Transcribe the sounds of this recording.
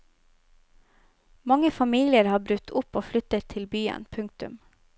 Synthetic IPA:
mɑŋəfɑmiːlɪəɾhɑːbɾʉt̪ʰʊpoːflʏt̪ət̪ʰːɪlbyːə̰npʰʉŋk̚t̪ʉ̰m

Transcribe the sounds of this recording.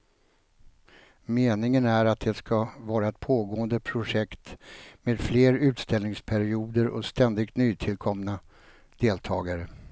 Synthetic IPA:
meːnɪŋənæɾat̪̚d̪ɛskavɑːɾaɛt̪̚pʰoːɡoːənd̪əpʰɾʊʂɛkt̪meːd̪fleːɾʉ̟ːt̪st̪ɛlnɪŋspʰæɾɪuːd̪əɾʔɔ̰st̪ɛnd̪ɪkt̪nyːt̪ʰɪlkʰɔmna | d̪̥eːlt̪ʰɑːɡaɾə

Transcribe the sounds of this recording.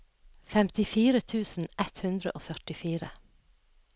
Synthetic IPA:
fɛmt̪ɪfiːɾət̪ʰʉːsn̩ʔɛt̪hʉnd̪ɾə̰ʔoːfœʈɪfiːɾə

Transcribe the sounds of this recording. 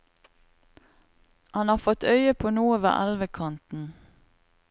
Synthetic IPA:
hɑnhɑːfɔt̪œʏəpʰoːnuːəʋə̰ːʔɑlʋəkʰɑnt̪n̩

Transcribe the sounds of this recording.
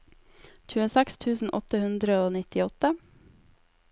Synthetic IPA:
c͡çʉːəsɛkst̪ʰʉːsn̩ʔɔ̰t̪əhʉnd̪ɾəoːnɪt̪ɪɔt̪ə

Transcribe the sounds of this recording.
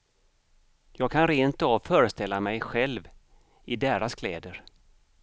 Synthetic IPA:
jɑːɡ̚kʰanɾeːnt̪ɑvfœːɾəst̪ɛlːamɛjɧɛlv | ɪd̪eːɾaskʰlɛːd̪əɾ

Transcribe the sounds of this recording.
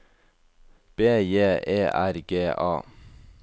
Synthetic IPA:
b̥eːjeːʔeːʔæɾɡeːʔɑ̰ː

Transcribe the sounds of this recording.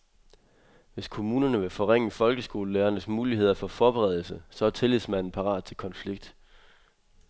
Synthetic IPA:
ʋe̝skʰo̝muːnɐnəʋe̝fɒ̽ʁeŋ̰əfɒ̽lɡ̥əsɡ̥o̝ːləleːɐnəsmuːlihe̝ð̞̰ˠɐfɒ̽fɒːb̥eʁɛð̞ˠl̩səsɒ̽æt͡sʰe̝lesmæn̰n̩pʰɑ̈ʁɑ̰̈ːd̥̚t͡sʰe̝lkʰɒ̽nfliɡ̥̚d̥

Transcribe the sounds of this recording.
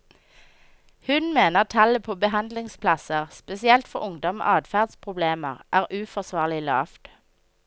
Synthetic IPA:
hʉnmeːnəʁt̪ʰɑləpʰoːbəhɑnd̪lɪŋspʰlɑsəʁspɛsɪɛlt̪fɔʁʊŋd̪ɔm̰ːʔɑːd̪fæːʁd̪spʰʁʊbleːmə̰ʁʔæːʁʔʉːfɔʁsʋɑːʁlɪlɑ̰ːft̪

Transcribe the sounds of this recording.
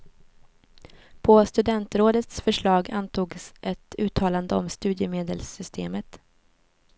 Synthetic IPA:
pʰɔst̪ɵd̪ɛnt̪ɾoːd̪ət̪sfœʂɭɑːɡant̪ʰuːɡsʔɛt̪ʉ̟ːt̪ʰɑːland̪əɔmst̪ʉ̟ːd̪jəmeːd̪əlsʏst̪ʰḛːmət̪

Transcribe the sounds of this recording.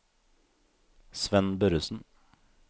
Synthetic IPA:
sʋɛnbœɾʉsn̩

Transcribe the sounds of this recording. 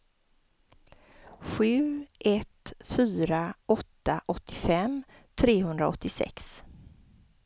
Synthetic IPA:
ɧʉ̟ːʔɛt̪fyːɾaʔɔt̪ːaʔɔt̪ʰːɪfɛm | t̪ʰɾeːɦɵnd̪ɾa̰ɔ̰t̪ːɪsɛ̰ks

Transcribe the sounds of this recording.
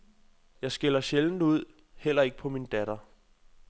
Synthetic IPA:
jɑ̈ɪsɡ̥elɐɕeln̩uð̞̰ˠ | hel̰ɐe̝ɡ̥ə̥pʰɒ̽mind̥æɾ̥ɐ

